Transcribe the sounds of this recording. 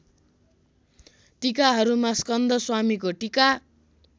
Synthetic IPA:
ʈikaɦʌɾumaskʌnd̪ʌswamikoʈika

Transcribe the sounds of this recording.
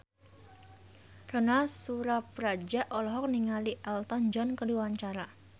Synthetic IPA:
rɔnasuɾapɾad͡ʒaʔɔlɔɦɔk̚niŋaliʔɛlt̪ɔnd͡ʒɔnkəluwaɲt͡ʃaɾa

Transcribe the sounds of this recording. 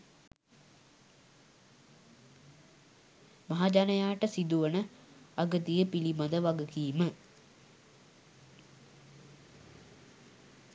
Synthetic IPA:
maɦad͡ʒanəjaːʈəsid̪uʋənəaɡət̪ijəpilimad̪əʋaɡəkiːmə

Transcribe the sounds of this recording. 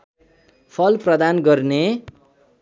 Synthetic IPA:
pʰʌlprʌd̪anɡʌrne

